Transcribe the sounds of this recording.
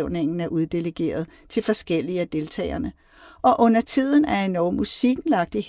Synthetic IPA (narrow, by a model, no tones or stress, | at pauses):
ʊne̝ŋ̰n̩æɐʔuð̞ˠd̥e̝ləɡ̥e̝̰ːɐð̞ˠ | t͡sʰe̝lfɒ̽sɡ̥el̰iæd̥e̝lt͡sʰɛ̰ːɐnə | ʔɒ̽ʔɔ̽n̰ɐt͡sʰið̰ˠn̩æɐenɒʊmːusiɡ̥n̩lɑ̈ɡ̥̚d̥ih